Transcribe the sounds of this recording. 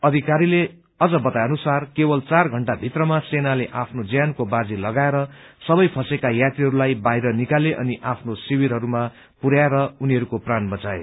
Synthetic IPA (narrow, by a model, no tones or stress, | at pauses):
ʌd̪ʱikaɾile | ʌd͡zʌbʌt̪ajʌnusarkebʌlt͡sarɡʱʌɳʈabʱit̪rʌmasenaleʔapʰnod͡zjankobad͡zilʌɡaeɾʌ | sʌbʌjpʰʌsekajat̪ɾiɦʌɾulajbaɦjɾʌnikaleʔʌ̰niʔapʰnosiwiɾɦʌɾuma | puɾaeɾʌuniɦʌɾukopranbʌt͡saḛ